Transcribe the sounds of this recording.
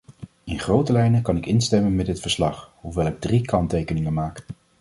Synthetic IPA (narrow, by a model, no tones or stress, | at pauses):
ɪnχrowtəlɛjnəkɑnɪkɪnstɛmənmɛdɪtfəɹslɑχɦuʋɛlˠɪɡ̚drikɑntejkənɪŋənmaːk